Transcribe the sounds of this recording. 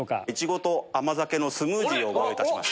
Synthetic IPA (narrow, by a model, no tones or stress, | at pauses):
oka̰it͡ɕiɡo̞t̪o̞amazake̞no̞sɨmɯːd̪ʲiːo̞ːɡoɾoit̪aɕima̰ɕ